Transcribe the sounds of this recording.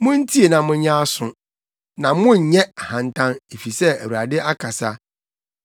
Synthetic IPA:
mʊ̃˦n̩˦tʰi˦e˨nã˨mʊ̃˦ɲ˦ɲã˦a˦sʊ̃˨ | nã˨mʊ̃˦ɲ̩˨ɲɛ˦a˨hã˨ntʰã˦ne˨fi˨sɛ˦æ˨wu˨ɾa˨dɪ˦ʔa˦kʰa˨sa˦

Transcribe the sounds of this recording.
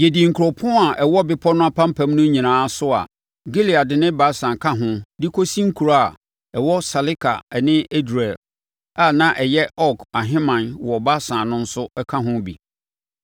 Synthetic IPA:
je˨di˨ŋ̩˨kʰɾɔ˨pʰʊ̃˦a˨ʔɛ˨wɔ˦bɪ˦pʰɔ˦nʊ̃˦a˦pʰã˦m˦pʰã˨˦mnʊ̃˦ɲĩ˨nãː˨˦sʊ˦a̰˨ | ɡe˦li˨a˨dɪ˨nɪ̃˦ba˦sã˨kʰã˦ɦʊ̃˦di˦kʰo˦sĩ˦ŋ̩˦kʰu˨ɾa˦a˨ | ɛ˨wɔ˦sa˨lɪ˦kʰa̰˨ɛ˨nɪ̃˦e˦dɾe˨l | a˨nã˦ʔɛ˨jɛ˦ɔ˦kʰa˨ɦɪ̃˦mã˨nwɔ˨ba˦sãː˨nʊ̃˦n̩˦sʊ˦ɛ˦kʰã˦ɦʊ̃˦bḭ˨

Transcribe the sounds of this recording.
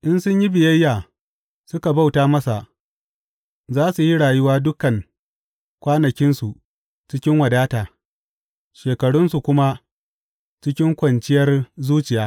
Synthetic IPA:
ʔɪ˦nsʊ˦ɲji˦bɪ˨jɐ˦jːaː˨ | sʊ˦ka˨ba˦wtaː˦mɐ˦sa˨ʔ | zaː˦su˨ji˦ɽaː˨jʊ˦waː˦dʊ˦kɐ˨ŋ | kʷaː˦nɐ˨kʲɪ˦nsu˨ʔ | t͡ʃɪ˦kʲɪ˦ŋwɐ˨daː˦taː˨ | ʃeː˨kɐ˨ɽʊ˦nsu˨kʷʊ˦ma˦ | t͡ʃɪ˦kʲɪ˦ŋkʷɐ˨nt͡ʃɪ˦jɐ˦rzuː˦t͡ʃɪ˨jaː˦

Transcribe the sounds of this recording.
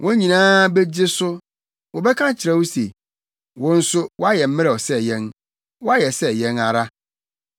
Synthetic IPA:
wʔɔ̃˦ɲĩ˨nãː˦be˦d͡ʑɪ˦sʊ˦ | wɔ˨bɛ˦kʰã˦t͡ɕʰɪ˨ɾɛ˦wo˦se˨ | wɔ̃˦n̩˦sʊ˦wɔ˦a˦jɛ˨m̩˦mɪ̃˦ɾɛ˨ɔ˨sɛ˦jɛ̃˦n | wɔ˦a˦jɛ˨sɛ˦jɛ̃˦na˨ɾa˦

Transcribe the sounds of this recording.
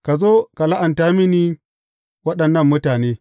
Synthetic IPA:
ka˨zo˦ka˨la˦ʔa˨nta˦mi˦ni˦ | wɐ˦ɗɐ˨nːɐ˦mːʊ˦taː˨neː˦

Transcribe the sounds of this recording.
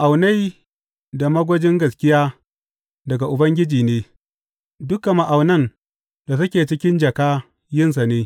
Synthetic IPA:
ʔa˨wna˦j | da˨mɐ˦ɡʷɐ˦d͡ʒɪ˦ŋɡɐ˨skʲɪ˦jaː˦ | dɐ˨ɡa˨ʔʊ˨bɐ˦ŋɡʲɪ˦d͡ʒiː˨neː˦ | dʊ˦kːa˨ma˨ʔa˨wnɐ˦n | da˨s̬ɐ˦kʲeː˨t͡ʃɪ˦kʲɪ˦nd͡ʒɐ˨kaː˦ | jɪ˦ns̬a˨neː˦

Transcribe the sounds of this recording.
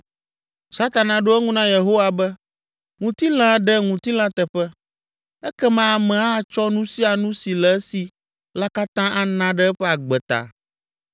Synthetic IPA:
sa˦t̪a˨nã˨ɖo˦ɛ˦ŋũ˦nã˦je˨ɦo˦wa˨bɛ˦ | ŋũ˨t̪i˦l̃ã˦ɖɛ˦ŋũ˨t̪i˦l̃ã˦t̪ɛ˨ɸɛ˦ | ɛ˦kɛ˦mã˦a˨mɛ̃˨a˦˨t͡ʃɔ˦nũ˦si˦a˨nũ˦si˨lɛ˨ɛ˦si˨ | la˦ka˦t̪ã˦ʔa˨nã˦ɖɛ˦ɛ˦ɸɛ˦a˨ɡ͡bɛ˨t̪a̰˨

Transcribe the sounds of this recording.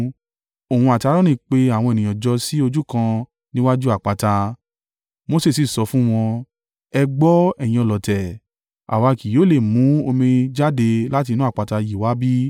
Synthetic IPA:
o˨hũ˧a˨ti˧a˧ɾɔ̃˦nĩ˦˨k͡pe˧a˦˨w̃ɔ̃˧e˨nĩ˨j̃ɔ̃˨d͡ʒɔ˧˦si˦o˧d͡ʒu˦kã˧ | nĩ˦wa˦d͡ʒu˦a˦˨k͡pa˧ta˧ | mo˧se˦˨si˨sɔ˧fũ˦w̃ɔ̃˧ | ɛ˧ɡ͡bɔ˦ɛ˦˨j̃ĩ˧ɔ˨lɔ˨tɛ˨ | a̰˨wa˨˧˨ki˨jo˨˦˨le˦˨mũ˨˦o˧mĩ˧d͡ʒa˦de˧la˦t̬i˧nũ˦a˦˨k͡pa˧ta˧ji˨wa˨˦bi˦

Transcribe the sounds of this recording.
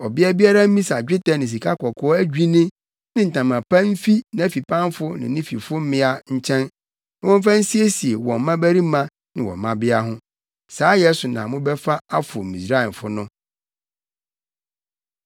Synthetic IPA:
ɔ˨bɪ˦ɛ˦bi˦a˦ɾa˦m̩˦mĩ˦sa˨d͡ʑᶣɪ˦tɛ˦nɪ̃˨s̬i˨kʰa˦kʰɔ˨kʰɔ˦ɔ˦æ˦d͡ʑᶣi˦nɪ̃˦ | nɪ̃˦n̩˨tã˨mã˨pʰã˦m˦fi˦nã˨æ˨fi˨pʰã˦n˦fʊ˦nɪ̰̃˨nɪ̃˦fi˨fʊ˦m˦mɪ̃˦a˦ɲ̩˦t͡ɕʰɛ̃˦n | ñ˦wɔ̃˦m˦fã˦n̩˦si˦e˦si˨e˨wɔ̃˨m˦mã˦bæ˦ɾi˦mã˦ | nɪ̃˨wɔ̰̃˨mː˨ã˦bɪ˦a˦ɦʊ̃˦ | saː˨˦jɛ˦sʊ˨nã̰˨mʊ̃˦bɛ˦fa˦a˦fʊ˨mĩ˨sɾa˦ɛ˨nfʊ˦nʊ̃˦

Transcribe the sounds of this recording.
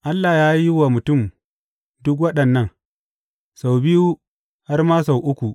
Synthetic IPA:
ʔa˦lːa˨jaː˦ji˦waː˨mʊ˨tʊ˦˨m | dʊ˦k̬wɐ˦ɗɐ˨nːɐ˦ŋ | sa˨wbɪ˦ju˦ | ha˦rmaː˦sa˨wʔʊ˦kʷu˨

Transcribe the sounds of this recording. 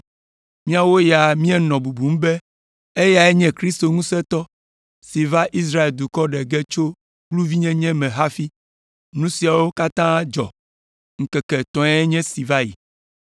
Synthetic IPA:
mĩ˦a˦wo˦ja˨mĩ˦ɛ˦nɔ̃˨bu˨bu˨m̩˦bɛ˦ | e˦ja˨ɛ˦ɲɛ̃˦kɾi˦st̪o˨ŋũ˦sɛ˦t̪ɔ˦ | si˨va˦ʔi˦s̬ɾa˦e˨ld̪u˨kɔ˦ɖɛ˨ɡɛ˦t͡ʃo˦ | ɡlu˦vi˦ɲɛ̃˦ɲɛ̃˦mɛ̃˨ɦa˦fi˦ | nũ˦si˨a˨wo˦ka˦t̪ã˦d͡ʒɔ̰˨ | ŋ̩˨kɛ˨kɛ˨t̪ɔ̃˨˦ɛ˦ɛ˦ɲɛ̃˦si˨va˦jḭ˨

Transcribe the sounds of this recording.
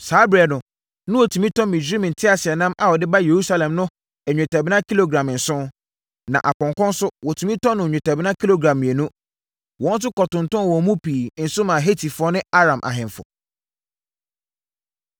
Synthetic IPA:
saː˨˦bɛ˨nʊ̃˨ | nʊ̃˦wɔ˨tʰu˨mĩ˦tɔ̃˦mĩ˨d͡ʑᶣɾĩ˦m̃˨n̩˨tʰɪ˦a˨sɪ˨ɛ˨nã˦mʔa˨wɔ˨dɪ˦ba˦je˨ɾu˦sa˦lɛ̃˨mnʊ̃˦ | ɛ˨ɲᶣʊ̃˨tʰɛ˨bɪ˦nã˦ki˦lo˨ɡɾã˨m˨n̩˨sʊ̃˦ | nã̰˨ʔa˨pɔ̃˨ŋkɔ̃˦n˦sʊ˦wɔ˨tʰũ˨mĩ˦tɔ˦nʊ̃˨ɲᶣʊ̃˨tʰɛ˨bɪ˦nã˦kʰi˦lo˦ɡɾã˨m̃˨e˨nũ˦ | wɔ̃˨˦n˦s̬ʊ˦kɔ˨tʊ̃˨n̩˨tɔ̃˦n˨wɔ̃˨mũ˦piː˨n̩˨sʊ˦mãː˨ɦe˦tʰi˨fɔ˦nɪ̃˦a˦ɾã˨mʔa̰˨ɦɪ̃˨ɱfʊ̰˨

